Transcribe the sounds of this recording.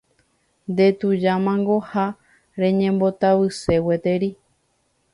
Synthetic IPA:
nd̪e̞t̪ud͡ʒamãŋɡoha | ɾẽ̞ɲẽ̞mbot̪aβɨse̞wet̪e̞ɾi

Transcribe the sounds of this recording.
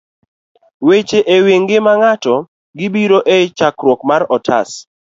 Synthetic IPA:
wet͡ʃeʔewiŋɡɪmaŋatɔ | ɡɪbiɾoʔet͡ʃakɾwɔkmaɾɔtʰa̰s

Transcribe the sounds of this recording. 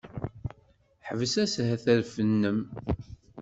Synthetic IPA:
ħəvəsæshæθæɾfənːəm

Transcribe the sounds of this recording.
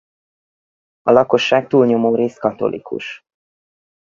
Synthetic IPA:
ɒlɒko̞ʃːaːk̚t̪uːlɲo̞moːɾeːskɒt̪o̞̰lʔḭkṵʃ

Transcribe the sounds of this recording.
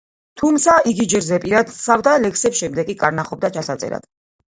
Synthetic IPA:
t̪ʰumt̪sʰaʔiɡid͡ʒɛɾzɛpʼiɾad̪savd̪alɛkʰsɛpsʃɛmd̪ɛkʼikʼaɾnaχɔb̚d̪at͡ʃʰasat̪sʼɛ̰ɾa̰d̪̥

